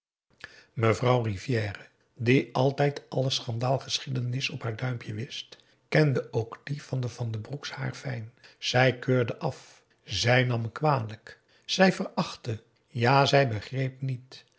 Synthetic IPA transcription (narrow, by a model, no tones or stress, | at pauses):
məvrɑwrivjɛːrə | diʔɑlˠtɛjtʔɑləsχɑndaːlˠχəsχidənɪsɔpɦaːɹdœɥmpʰjəʋɪst | kɛndəʔowɡdiv̥ɑndəvɑndəbruksha̰ːɹfɛjnz̥ɛjkøːɹdəʔɑf | zɛjnɑmkʋaːdələk | z̥ɛjvərɑχtə | jaːzɛjbəχrejpnit